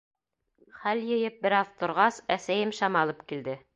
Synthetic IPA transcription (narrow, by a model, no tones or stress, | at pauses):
χæljɤ̆jɤp̚bɘ̆ɾɑðt̪ŏɾʁɑsæsæjɘmʃɑmɑlˠɤpkild̪ɘ